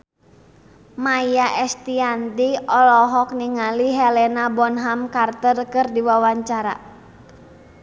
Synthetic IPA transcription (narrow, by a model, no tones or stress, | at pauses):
majaʔɛst̪iant̪iɔlɔɦɔk̚niŋaliɦɛlɛnabɔnɦamkart̪ərkɨrdiwawaɲt͡ʃaɾa̰